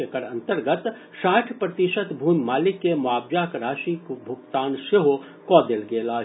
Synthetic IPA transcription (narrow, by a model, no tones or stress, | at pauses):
ekəɾɐ̃nt̪əɾɡət̪ | ʃaːʈʰpɾɐt̪ɪʃət̪bʱuːmmaːlɪkːemʊaːbjaːkɾaːʃikbʱʊɡt̪aːnʃeɦo | kɔːd̪elɡeːlaː